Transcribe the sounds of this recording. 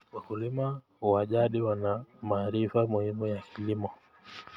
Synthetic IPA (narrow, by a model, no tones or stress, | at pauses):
wakulima | huwaʄaɗiwanamaːɾifamuhimujakʰilimɔ